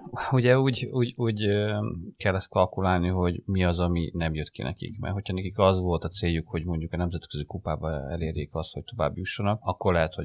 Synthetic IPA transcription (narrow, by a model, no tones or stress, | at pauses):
uɟɛuːɟuːɟuːɟøkɛlːɛst̪kɒlkulaːlniɦo̞ɟmiɒzɒminɛmjøt̪kḭnɛ̰kḭkmɛ̰rɦo̞chɒnɛkikɒzʋo̞lt̪ɒt̪seːjːukho̞ɟmo̞ɲɟukɒnɛmzɛt̪køzikupaːbɒɛ̰leːɾjeːkɒst̪ho̞c̚t̪o̞va̰ːbjuʃːonɒkɒkːo̞rlɛɦɛt̪ho